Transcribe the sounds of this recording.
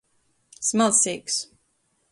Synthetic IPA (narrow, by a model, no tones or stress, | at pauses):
smalˠsiks